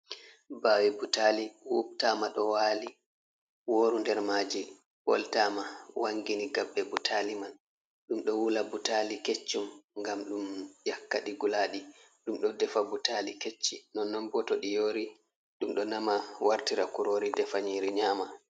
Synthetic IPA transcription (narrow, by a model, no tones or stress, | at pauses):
baːwibutaliwup̚tamaɗɔwaːli | woːɾundɛɾmaːd͡ʒi | pɔ̰ltamawʔaŋɡiniɡabːɛbutʰaliman | ɗumɗɔwulabutaliket͡ʃːumŋɡamɗumjakːaɗiɡulaːɗi | ɗumɗɔdɛfabutaliket͡ʃːinɔnːɔmbɔtɔɗijoːɾi | ɗumɗɔnamawaɾtiɾakuɾoɾidɛfaɲiɾiɲama